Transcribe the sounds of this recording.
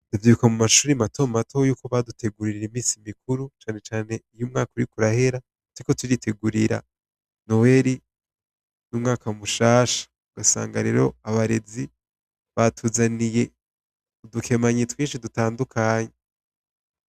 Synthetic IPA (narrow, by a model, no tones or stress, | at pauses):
duvjiukamumaʃuːɾimato̞ːmmatʰojuːko̞βadutʰe̞ɡuɾiɾiɾimiːsimikuɾut͡ʃaːne̞t͡ʃaːne̞ijumŋaːkuɾikuɾahe̞ɾa | tɾikotuɾitʰe̞ɡuɾiɾa̰ | no̞weɾi | numŋaːkamuʃaːʃḁ | uɡasa̰ːŋɡaɾe̞̰ːɾo̞aβaɾe̞zi | βatʰuːzanije̞ | udukʰe̞maɲetwiːnʃidutaːndukʰaːɲe